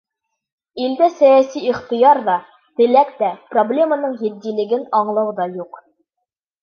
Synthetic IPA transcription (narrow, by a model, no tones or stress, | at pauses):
ild̪æsæjæsiiχt̪ɤ̆jɑɾðɒ | t̪ɘ̆lækt̪æproblʲe̞manɤɴjɘ̆d̪ːilɘ̆ɡɘnɒɴlˠɑwd̪ɑjuq